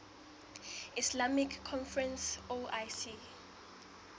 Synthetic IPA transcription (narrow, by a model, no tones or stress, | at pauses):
islamikʰːɔnfɹɛ̃nsoʔajsi